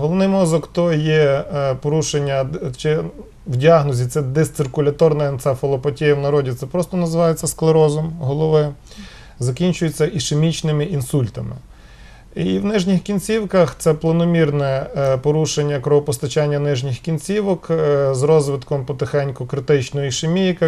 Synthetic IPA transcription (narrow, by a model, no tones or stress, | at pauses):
ɦɔlˠɔʋnɪjmɔzɔkt̪ɔjɛpɔɾuʃenʲːɐt͡ʃɪ | wdʲiɑɦnɔzʲit̪sɛd̪ɪst̪ɪrkʊlʲɐt̪ɔrnɐɐnt̪sɛfɔlˠɔpɐtʲijɐwnɐɾɔdʲit̪sɛpɾɔst̪ɔnɐzɪʋɑjet͡sʲːɐsklˠeɾɔzɔmɦɔlˠɔʋɪ | zɐkʲinʲt͡ʃʊjet͡sʲːɐʔiʃemʲit͡ʃnɪmɪʔinsulʲt̪ɐmɪ̰ | iwnɪʒnʲixkʲinʲt͡sʲiwkɐxt̪sɛplˠɐnɔmʲirnɛpɔɾuʃenʲːɐkɾɔɦɔpɔst̪ɐt͡ʃanʲːɐnɪʒnʲɪxkʲinʲt͡sʲiʋɔkzɾɔzʋɪt̪kɔmpɔt̪ɪxɛnʲkʊkɾɪt̪ɪt͡ʃnɔɔiʃemʲijka